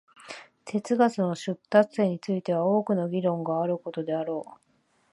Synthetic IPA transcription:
t̪e̞t͡sɨɡat͡sɨno̞ɕɨt̪ːat͡sɨ̥se̞ɲ̟ːit͡sɨit̪e̞β̞ao̞ːkɯ̟no̞ɡʲiɾõ̞ŋɡaːɾɯ̟ko̞t̪o̞d̪e̞aɾo̞ː

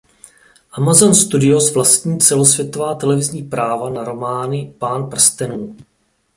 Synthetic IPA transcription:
ʔamazonst̪udɪosvlast̪ɲiːt͡sɛlosvjɛt̪o̞vaːt̪ɛlɛvɪzɲiːpɾaːvanaɾo̞maːnɪpaːnpr̩st̪ɛnuː

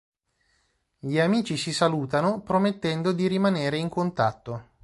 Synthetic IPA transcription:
ʎiamiːt͡ʃisisaluːt̪anopɾomet̪ːɛnd̪od̪iɾimaneːɾeiŋkont̪at̪ːo

